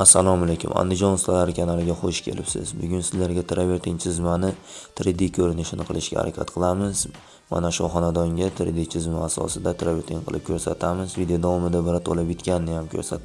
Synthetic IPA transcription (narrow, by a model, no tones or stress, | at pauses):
asːalˠɒmalekʲʊ̰ma̰nd̪ɪd͡ʒɒnʊst̪alaɾɪkʲʰanalɪɡʲaχoʃkʲʰe̞̰lʔɪpsɪ̰zbʊɡʲʊnsɪzlaɾɡʲat̪ʰɾaveɾt̪ʰɪŋt͡ʃʰɪzmanɪ | t̪ʰɪɾɪd̪ːikʲʰɵɾɪnɪʃɪnɪqʰɨlˠɪʃɡʲa̰ha̰ɾʔa̰kʲʰa̰t̪qʰɨlˠamɪz̥ | ma̰naʃʊχɒnad̪ɒŋɡʲat̪ʰɪɾɪ̰d̪it͡ʃʰɪzmaːsɒ̰sɪd̪at̪ʰɾaveɾt̪ʰɪŋqʰɨlˠɪp̚kʲʰɵɾsat̪ʰamɪzvid̪ejod̪avɒmɪd̪abɪɾat̪ʰo̰lˠapɪt̪kʲanɪnɪjamkʲʰɵ̰ɾsat̪